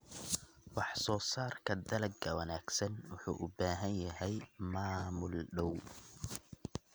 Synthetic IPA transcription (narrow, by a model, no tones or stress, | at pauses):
wɑħsɔːsaːrkʰɐd̪ɐlɐɡɐwɐnaːɡsɐnwʊħṵːʔʊbaːɦɐnjɐɦɛjmaːmʊlɖɔw